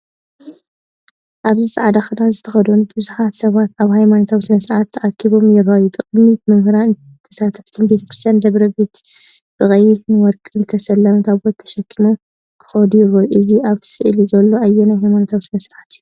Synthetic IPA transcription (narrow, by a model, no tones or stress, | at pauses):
ʔaβzisʼɨʕad̪axɨd̪anzɨt̪ʰɐxɐd̪onubɨzuħat̪sɐβat̪aβhajmanot̪ʰawismɐsɾaʕat̪ʰːɐʔakʰːiβo̞mjɪrajut̪ʼɨqʼɨmit̪mɨmhɨɾa | t̪ʰɐsat̪ʰɐft̪ʰɨnbe̞t̪ʰɐ̥kɾɨst̪ijand̪ɐβɾɐbe̞t̪b̥ɨxʼɐjinɨwɔɾkʼɨlɨt̪ʰɐsɐlːɐmt̪ʰaβot̪ʰːɐ̥ʃɐkʰːimo | kʰɨ̥xɐd̪ujɪrːouʔɨziʔaβt̪ʰɨ̥sɨʔlizɐlːo̞ʔajːenajhajmanot̪ʰawismɐsɾɨʕat̪jːu